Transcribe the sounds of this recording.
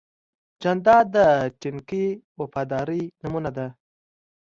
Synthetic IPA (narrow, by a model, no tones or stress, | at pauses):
d͡ʒand̪ɑd̪əʈiŋkiwafɑd̪ɑːɾinamunad̪a